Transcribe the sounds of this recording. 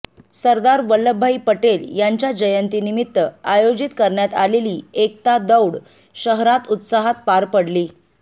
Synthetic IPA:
səɾd̪aɾʋəlːəbʱːaipəʈeljaɲt͡ɕjad͡ʑəjənt̪inimit̪ːəajod͡ʑit̪kəɾɳjat̪aleliːek̚t̪ad̪əwɽ | ɕəɦɾat̪ut̪saɦat̪̚paɾpəɽliː

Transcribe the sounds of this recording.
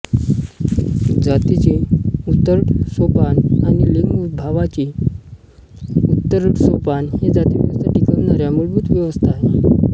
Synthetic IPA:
d͡zat̪it͡ɕiut̪ːəɾɽsopananileŋɡubʱaʋat͡ɕiː | ut̪ːəɾɽsopanhed͡zat̪iʋjəʋəst̪ʰaʈikəʋnaɾjamuɭbʱut̪ʋjəʋəst̪ʰaːɦe

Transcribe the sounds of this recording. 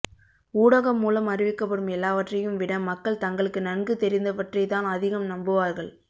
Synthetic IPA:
uːɽɐɣɐmːuːlɐmɐrɪʋɪkːɐpːɐɽɯmɛlːaːʋɐʈrɐjɯmʋɪɽɐmːɐkːɐɭt̪ɐŋɡɐɭɯkːɯnɐnɡɯt̪ɛɾɪnd̪ɐʋɐʈrɐɪt̪ːaːnɐðɪɣɐmnɐmbɯʋaːɾɣɐɭ

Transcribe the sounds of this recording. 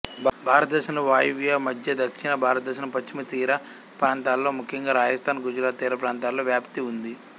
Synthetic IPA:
bʱaːɾɐt̪̚d̪ɐʃɐnɐʋaːjʋjaːmɐd̪ʱjɐd̪ɐkʂinɐbʱaːɾɐt̪̚d̪ɐʃ̬ɐnɐpɐt͡ʃt͡ʃːimɐt̪iːɾɐ | pɾaːnt̪aːlːo̞ːmukʰjɐŋɡaːɾaːd͡ʒɐst̪ʰaːnɡud͡ʒuɾaːt̪ːiːɾɐpɾaːnt̪aːlːo̞ːʋjaːpt̪iund̪i

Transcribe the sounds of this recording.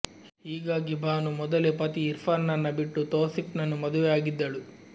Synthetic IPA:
hiːɡaːɡibʱaːnumɔd̪ɐlepɐt̪iːɾpʰɐɾnɐnːɐbiʈːut̪oːsipnɐnːumɐd̪uʋɛjaːɡid̪ːɐɭu

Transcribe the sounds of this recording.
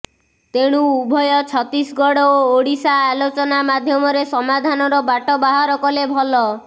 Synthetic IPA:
t̪eɽ̃uubʱɔjɔt͡ʃʰɔt̪isɡɔɽɔooɽisaːlot͡ʃɔnamad̪ʱjɔmɔɾesɔmad̪ʱanɔɾɔbaʈɔbaɦaɾɔkɔlebʱɔlɔ

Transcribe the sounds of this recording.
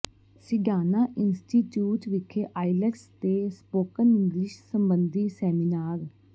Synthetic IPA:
sɪɡaːnaːʔɪnsʈiːʈjuːʈʋɪkʰːeːʔaːɪlɛkst̪eːspoːkənɪ̃ŋɡlɪʃsəmbənd̪iːsɛːmɪnaːɾ

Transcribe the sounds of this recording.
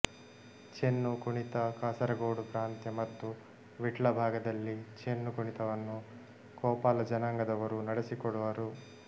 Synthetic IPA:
t͡ʃenːukuɳit̪ɐkaːsɐɾɐɡoːɽupɾaːnt̪jɐmɐt̪ːu | ʋiʈɭɐbʱaːɡɐd̪ɐlːit͡ʃenːukuɳit̪ɐʋɐnːu | kɔːpaːlɐd͡ʒɐnaːŋɡɐd̪ɐʋɐɾunɐɽesikɔɽuʋɐɾu

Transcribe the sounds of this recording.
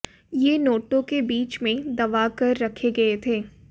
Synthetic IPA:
jeːnoːʈõkebiːt͡ʃmẽd̪ɐʋakɐɾːɐkʰeɡɐet̪ʰeː

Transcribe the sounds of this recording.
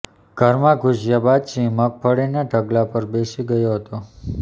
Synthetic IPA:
ɡ̥ʱəɾmãɡʱʊʃjabad̪̚t͡ʃʰĩmək̚pʰəɽeneʈəɡlapəɾbesiɡəjoɦət̪o

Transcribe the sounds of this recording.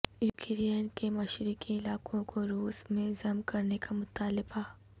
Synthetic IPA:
jʊkɪɾiənkemɐʃɾikiɪlaːkõkʰoɾuːsmẽzɐmkɐɾnekamʊt̪aːlɪba

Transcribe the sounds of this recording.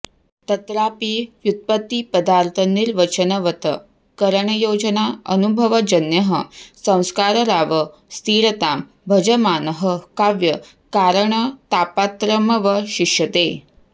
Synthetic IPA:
t̪ɐt̪ɾapijut̪̚pət̪ːipəd̪aɾt̪ʰəniɾʋɐt͡ʃənɐʋɐt̪ə̰ | kəɾəɳɐjod͡ʒənaənubʱəʋɐd͡ʒɐnjɐɦəsɐ̃w̃skaɾəɾaːʋə | st̪ʰiːɾət̪aːm | bʱəd͡ʒəmaːnəɦəkaʋjə | kaːɾəɳət̪apat̪ɾəməʋəɕiʂjət̪e

